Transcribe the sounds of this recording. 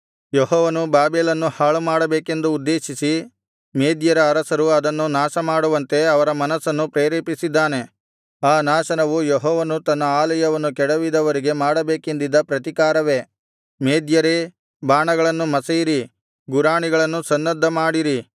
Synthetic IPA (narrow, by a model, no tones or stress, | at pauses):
jeɦɔːʋɐnubaːbeːlɐnːuhaːɭumaːɽɐbeːke̞nd̪uːd̪ːe̞ːʃisi | meːd̪jɐɾɐːɾɐsɐɾuɐd̪ɐnːunaːʃɐmaːɽuʋɐnt̪e̞ɐʋɐɾɐmɐnɐsːɐnːupɾeːɾeːpisid̪ːaːne̞ | aːnaːʃɐnɐʋujɔɦɔːʋɐnut̪ɐnːɐaːlɐjɐʋɐnːukɛɽɐʋid̪ɐʋɐɾiɡe̞maːɽɐbeːkend̪id̪ːɐpɾɐt̪ikaːɾɐʋe̞ | meːd̪jɐɾe | baːɳɐɡɐɭɐnːumɐsɐjiɾi | ɡuɾaːɳiɡɐɭɐnːusɐnːɐd̪ʱːɐmaːɽiɾi